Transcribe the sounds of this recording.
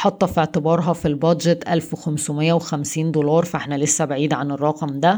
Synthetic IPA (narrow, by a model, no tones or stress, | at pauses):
ħɑt̪ˤːɑfiʕt̪ɪbɑːɾˤɦɑfilbɑd̪ʒet̪ʔælfwexæmsʊmɪjːæwexæmsiːnd̪olɑːɾˤfæʔeħnælesːæbaʕiːd̪ʕanerˤːɑqmd̪æ